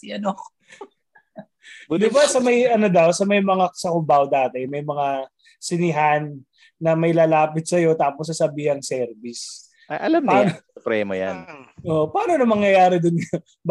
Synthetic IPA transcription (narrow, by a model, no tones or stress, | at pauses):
ɐno | d̪ɪbasɐmɐjʔɐno̞d̪ɐwsɐmɐjmɐŋasɐkʊbawd̪aːt̪ɛmɐjmɐŋa | sɪnɪɦanː | ɐmɐjlaːlaːpɪt̪̚sɐjo̞t̪aːpos̬ːɐsɐbiːhɐŋsɛɾbɪs | ɐʔɐlampaːnopɾɛːmɐja̰nʔoːʔopɐaːnonɐmɐŋjɐjaːɾɪd̪ʊnk | b